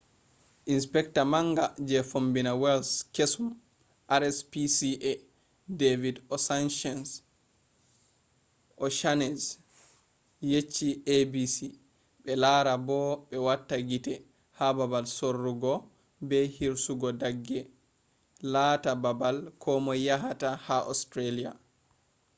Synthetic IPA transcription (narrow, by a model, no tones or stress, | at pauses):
ʔinspɛktamaŋɡad͡ʒɛfombinawɛlskesum | ʔaɾɛspisiʔɛ | devidɔsanʃɔns | ʔɔʃanɛs | jet͡ʃːiebisi | ɓɛlaɾabɔɓɛwatːaɡitɛ | hababalsorːuɡɔ | bɛhiɾsuɡɔdaɡːɛ | latababalkʰɔmɔjaɦatahaʔɔstɾelia̰